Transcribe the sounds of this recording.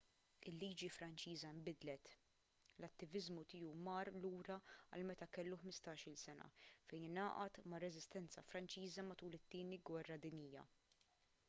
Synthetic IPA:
ɪlːiːd͡ʒifɾɐnt͡ʃiːzɐɪmbɪd̪lɛt̪ | lɐt̪ːɪvɪzmut̪ɪːjumɐːɾluːɾɐɐ̰lmɛt̪ɐkɛlːuħmɪst̪ɐːʃɪlsɛnɐ̰fɛjnɐːʔɐt̪mɐrːɛzɪst̪ɛnt͡sɐfɾɐnt͡ʃiːzɐmɐt̪uːlɪt̪ːɪːniɡwɛrːɐd̪ɪnɪjːɐ̰

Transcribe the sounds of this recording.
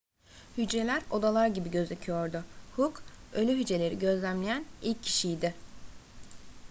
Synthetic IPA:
hyd͡ʒɾe̞lʲæɾo̞d̪alˠaɾɟibiɟø̞zecʰijo̞ɾd̪ʊhukølʲyɦyd͡ʒe̞lʲe̞ɾiɟø̞zlʲæmlʲejænilʲcʰːi̥ʃijd̪ɪ

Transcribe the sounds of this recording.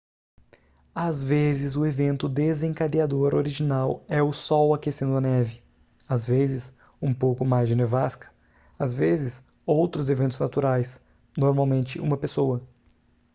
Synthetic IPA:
azvezɪzʊevẽnt̪ʊd̪ezẽŋkad̪iad̪oɾoɾiʒinawɛʊsɔwakesẽnd̪ʊɐnɛvɪ | azvezɪs | ũpowkʊmajzd͡ʒɪnevaskɐ̥ | azvezɪs | owt̪ɾʊzevẽnt̪ʊznat̪uɾajs | noɾmawmẽnt͡ʃɪʔũmɐpesowɐ

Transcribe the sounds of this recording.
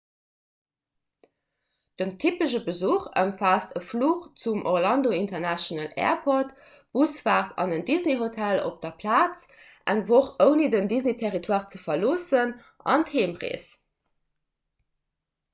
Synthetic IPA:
d̥əntʰipəʃəbəzuːχə̰mfaːstəfluːχt͡sumʔoʁlɑndointɐnæʃonəlɛ̰ːɐpʰot | b̥usv̥aːʁtʰɑ̰nəndizneɦotʰælo̰p̚d̥ɐpʰlaːt͡s | ʔæŋvoχəʊnidəndiznetʰɛʁitʰwaːʁt͡səfɐloːsən | ʔɑ̰ntheːmʁḛːs

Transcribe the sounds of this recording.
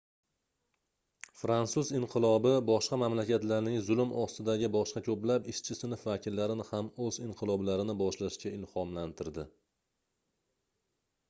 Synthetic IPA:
fɾansʊzɪɴqʰɨlˠɒbɪbɒʃqɑmamlakʲat̪laɾnɪŋzʊlʊmɒst̪ɪd̪aɡʲɪbɒʃqɑkʲʰɵplapɪʃt͡ʃʰɪsɪnʊfvakʲʰɪlːaɾɪnɪhamɵzɪɴqʰɨlˠɒblaɾɪnɪbɒʃlaʃkʲaɪlhɒmlant̪ʰɪɾd̪ɪ

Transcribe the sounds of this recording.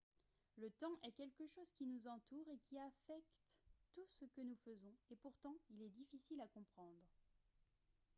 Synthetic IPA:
lət̪ɑ̃ʔɛkʲɛlkəʃozkʲinuzɑ̃t̪uʁekʲiafɛkt̪ːusəkənufəzɔ̃epuʁt̪ɑ̃ilɛd̪ifisilakɔ̃pχɑ̃d̪ʁ

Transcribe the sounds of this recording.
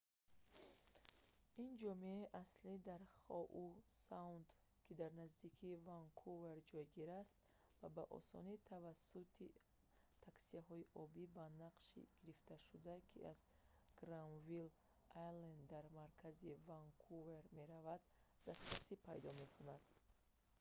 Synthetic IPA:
ind͡ʒɔmiaiʔaslid̪aɾχɔʔusaund̪ | kʰid̪aɾnazd̪ikʰivaŋkʰuve̞ɾd͡ʒɔjɡiɾast̪ | vabaʔɔ̰sɔ̰nit̪ʰavasut̪ʰi | t̪ʰaksiaɦɔiʔɔbibanaqʃḭɡ̥iɾift̪aʃud̪akʰḭʔaz | ɡ̥ɾanvil | ajlend̪d̪aɾmaɾkʰazivaŋkʰuveɾme̞ɾavad̪ːast̪ɾasipʰajd̪ɔme̞kʰunad̪̥

